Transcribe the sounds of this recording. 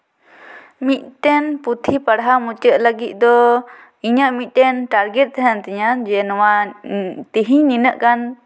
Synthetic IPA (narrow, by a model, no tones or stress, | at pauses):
mit̪̚t̪ɛnput̪ʰipaɽɦamut͡ʃəʔləɡit̪̚ˀd̪ɔ | iɲəʔmit̪̚ˀt̪ɛnʈaɾɡɛt̪̚t̪ɦɛnt̪ɛɲand͡ʒɛnɔwa | t̪iɦiɲninəʔkan